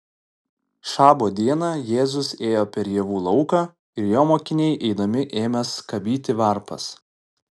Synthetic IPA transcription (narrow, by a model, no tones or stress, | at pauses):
ʃɑːboːd̪ʲiɛnɑːjeːzʊseːjoːpʲɛɾjɛʋuːlˠɒʊkɑː | ɪɾjoːmoːkʲɪnʲɛɪʔɛɪd̪ɐmʲɪʔeːmʲɛskɐbʲiːt̪ʲɪʋɐɾpɐ̰s